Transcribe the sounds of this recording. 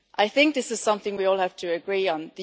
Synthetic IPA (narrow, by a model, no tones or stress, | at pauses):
ʔaɪθɪ̃ŋk̚ðɪsɨz̥sʌ̃mθɪ̃ŋwiɔːlˠhaftʰəːɡɹiːə̃nðə